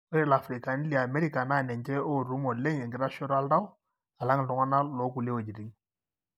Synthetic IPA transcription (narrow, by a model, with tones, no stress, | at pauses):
o˦ɾe˨la˨fɾi˨ka˨n˦li˨a˨me˦ɾi˦ka˨na˦˨nɛ˨ɲt͡ʃɛ˦o˦˨ɾu˦mɔ˨le˦ŋɛ˨ŋɡɪ˨ɾa˦ʃɔ˦ɾa˦lda˦w | a˨la˦ŋ˨ʊ˨ŋa˦na˦lɔ˨˦ku˨le˦wo˨d͡ʒi˨ɾi˦ŋ